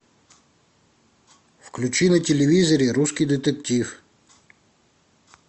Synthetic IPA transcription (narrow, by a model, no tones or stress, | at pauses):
wklʲut͡ʃinɐtʲelʲeʋʲizɔɾʲiɾuskʲijd̪ɪt̪ektʲiw